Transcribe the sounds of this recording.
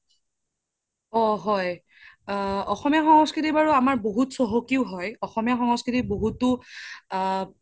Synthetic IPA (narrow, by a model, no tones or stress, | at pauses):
ɔɦɔj | ɔxɔmijaxɔŋɔskɹitibaɹuamaɹboɦutsɔɦokiʊɦɔjɔxɔmijaxɔŋɔskɹitiboɦutʊ